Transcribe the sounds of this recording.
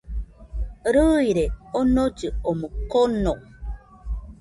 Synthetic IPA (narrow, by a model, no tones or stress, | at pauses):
ɾɯiɾeonod͡ʒɨomokono